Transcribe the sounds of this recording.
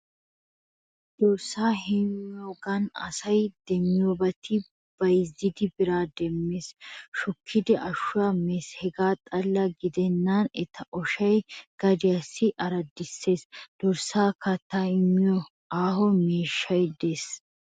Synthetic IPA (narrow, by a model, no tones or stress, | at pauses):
d̪̥ɔɾsaːɦɛmjoːɡɐnɐ̰sɐjd̪̥ɛmːɪjoːbɐt̪ʰɪ | b̥ɐjɪzːɪd̪ɪbɪɾaːd̪ɛmːeːsʃɔkʰːɪd̪ɛʔɐʃːʊwaːmeːshɛɡaːt̪ʼɐlːɐɡɪd̪ɛnːɐnɛt̪ʰːɐʔɔʃɐjɡ̥ɐd̪ɪjɐsːɪʔɐɾɐd̪ːɪsːe̞ːsd̪̥ɔɾsaːkɐt̪ːaːɪmːɪjɔ | aːɦɔme̞ːʃːɐjd̪es